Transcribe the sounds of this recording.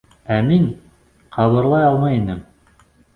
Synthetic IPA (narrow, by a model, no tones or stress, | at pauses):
æmiŋ | qʰɑβɤ̆ɾlˠɑjɑlˠmɑjinɘm